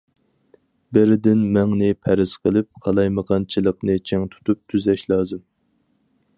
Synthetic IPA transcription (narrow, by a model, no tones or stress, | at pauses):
bɪɾɪd̪ɪnmɛŋnɪpʰæɾɪz̥qʰəlˠɪp̚qʰɑlˠɑjməʁɑnt͡ʃʰilˠəqnɨt͡ʃʰɛŋt̪ʰu̥t̪up̚t̪ʰyzɛʃlˠɑːzɨm